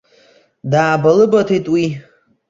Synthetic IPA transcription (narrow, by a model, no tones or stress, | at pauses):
daːbalɨbatʰitʼwi